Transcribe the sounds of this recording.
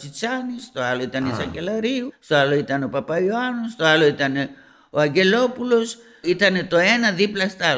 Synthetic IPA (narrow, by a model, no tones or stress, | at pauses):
sit͡sanist̪o̞alo̞it̪ɐnisɐkelɐɾiust̪o̞alo̞it̪ɐnopɐpajoanost̪o̞alo̞it̪ɐne̞ | oaɲɟe̞lo̞pulo̞s | it̪ɐne̞t̪o̞e̞nɐðiplɐst̪a